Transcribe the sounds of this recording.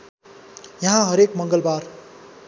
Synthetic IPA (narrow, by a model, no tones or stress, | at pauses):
jʌɦãɦʌɾekmʌŋɡʌlbar